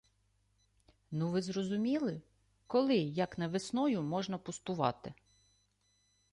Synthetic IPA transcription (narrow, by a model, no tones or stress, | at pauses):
nuʋɪzrɔzʊmʲilˠɪ | kɔlˠɪjɐknɐʋɪsnɔjʊmɔʒnɐpʊst̪ʊʋɑ̰t̪ɪ